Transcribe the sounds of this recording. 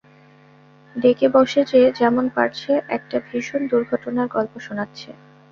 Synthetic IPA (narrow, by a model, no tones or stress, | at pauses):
ɖekebɔʃed͡ʑed͡ʑɛmonpa̰ʈt͡ɕʰeʔɛk̚ʈabʱiʃond̪uɾɡʱɔʈonaɾɡɔlpoʃonatːɕʰe